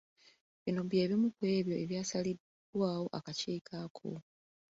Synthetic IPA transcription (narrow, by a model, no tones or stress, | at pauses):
βinobje̞ːβimukwe̞ːβjo̞ʔe̞βjaːsalid | waːwo̞ʔa̰kaciːkʰakʰo̰